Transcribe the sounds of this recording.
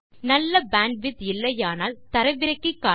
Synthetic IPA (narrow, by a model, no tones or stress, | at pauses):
nɐlːɐbaːɳɖʋɪt̪ɪlːɐjaːnaːlt̪ɐɾɐʋɪɾɐkːɯkːaː